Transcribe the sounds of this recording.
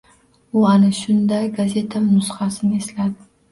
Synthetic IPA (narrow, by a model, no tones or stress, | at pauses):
ʊanɪʃʊnd̪ajɡaze̞t̪ʰanʊsqɑsɪnɪe̞slad̪ɪ